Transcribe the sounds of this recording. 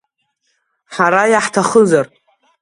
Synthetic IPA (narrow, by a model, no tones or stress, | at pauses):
ħaɾajaħtʰaχəzarʼ